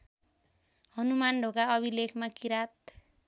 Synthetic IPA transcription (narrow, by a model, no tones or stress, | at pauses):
ɦʌnumanɖʱokaʌbʱilekʰmakiɾat̪̚